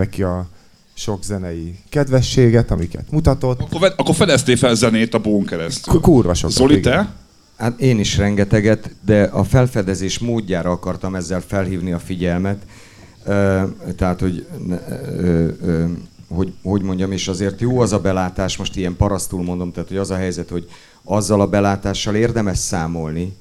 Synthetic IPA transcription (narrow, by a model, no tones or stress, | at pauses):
ɛkiɒ | ʃo̞ɡzɛnɛjikɛd̪vɛʃːeːɡɛt̪ɒmikɛ̰t̪mut̪ɒt̪o̞t̪ːoɛɒkːorfɛd̪ɛst̪eːfɛlzɛneːt̪ɒboːŋkɛɾɛst̪ykurvɒʃo̰zolit̪ɛ | hat̪eːniʃrɛŋɡɛt̪ɛɡɛt̪d̪ɛʔɒfɛlfɛd̪ɛzeːʃmoːɟːaːɾɒɒkɒrt̪ɒmɛzːɛlfɛlɦiːvniɒfiɟɛlmɛt̪ː | t̪ːɛɦaːt̪ho̞ɟnø | ho̞ɟho̞ɟmo̞ɲɟɒmeːʃɒzeːrt̪joːɛzɒbɛlaːt̪aːʃmo̞ʃt̪ijɛmpɒɾɒst̪ulmo̞nd̪omt̪aːt̪ho̞ɟɒzɒɦɛjzɛt̪ho̞ɟ | ɒzːɒlɒbɛlaːt̪aːʃːɒleːrd̪ɛmɛʃsaːmo̞lni